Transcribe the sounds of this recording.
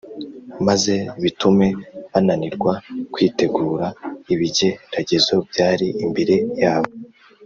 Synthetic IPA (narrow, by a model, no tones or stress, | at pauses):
maze̞βitume̞βananiɾɡwakwiːte̞ɡuːɾaiβiɟe̞ɾaɟezo̞bɟaːɾiʔimbeɾe̞jaːβo